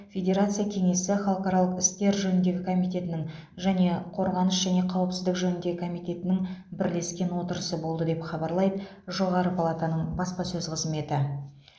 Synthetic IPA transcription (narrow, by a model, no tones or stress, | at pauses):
fʲe̞d̪ʲe̞ɾat̪sɨjakʲʰe̞ŋe̞sɪχɑlˠqɑɾɑlˠəqɪst̪e̞ɾʒɵnɪnd̪e̞ɡʲɪkʰo̞mijt̪e̞t̪ɪnɪŋ | ʒæne̞qʰo̞ɾʁɑnəʃʒæne̞qʰɑwəpsɪzd̪ɪkʒɵnɪnd̪e̞ɡʲɪkʰomijt̪e̞t̪ɪnɪŋbɪɾle̞skʲe̞nwo̞t̪əɾəsəbo̞lˠd̪əd̪e̞pχɑbɑɾlˠɑjd̪ə | ʒo̞ʁɑɾəpʰalˠat̪anəɴbɑspɑsɵzqʰəzme̞t̪ɪ